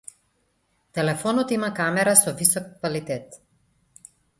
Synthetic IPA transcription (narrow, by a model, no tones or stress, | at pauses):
t̪ɛlɛfɔnɔt̪imakamɛɾasɔvisɔk̚ːvalit̪ɛt̪